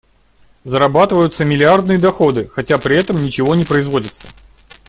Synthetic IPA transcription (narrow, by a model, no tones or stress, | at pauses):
zəɾɐbat̪ɨvəjʊt̪səmʲɪlʲɪard̪nɨjəd̪ɐxo̞d̪ɨxɐtʲapɾʲɪɛt̪əmnʲɪt͡ɕɪvo̞nʲɪpɾəɪzvo̞dʲɪt̪sə̥